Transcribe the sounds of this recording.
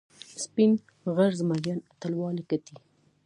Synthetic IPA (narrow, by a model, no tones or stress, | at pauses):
spin | ɣaɾzmaɾjɑnat̪alwɑlekat̪i